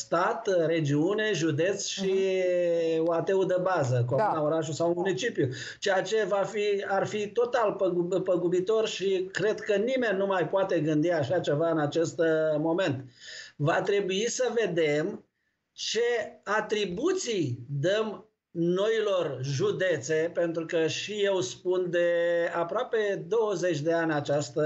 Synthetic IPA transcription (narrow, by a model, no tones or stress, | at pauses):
st̪at̪ɾe̞d͡ʒiune̞ʒud̪e̞t̪sʃi | oat̪eud̪əbazəkuaunaoɾaʃusawmunit͡ʃipju | t͡ʃejat͡ʃe̞vafiarfit̪o̞t̪alpəɡpəɡubit̪o̞rʃikɾe̞d̪kənime̞nʲːumajpoat̪e̞ɡɨnd̪iaʃat͡ʃe̞vaɨnat͡ʃe̞st̪mo̞me̞nt̪vat̪ɾe̞buisəve̞d̪e̞m | t͡ʃe̞at̪ɾibut̪sijd̪əm | no̞ilo̞rʒud̪e̞t̪se̞pe̞nt̪ɾukəʃije̞wspund̪e̞apɾoape̞d̪o̞wəze̞t͡ʃʲd̪e̞anʲat͡ʃast̪ə